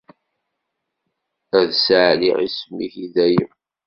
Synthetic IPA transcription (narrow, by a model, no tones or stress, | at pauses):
æðsʕlḭʕḭsmːiçiðæjə